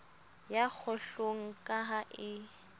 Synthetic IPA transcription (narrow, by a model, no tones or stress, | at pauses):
jak͡xʰʊɬoŋ̩kʼaɦaʔɪ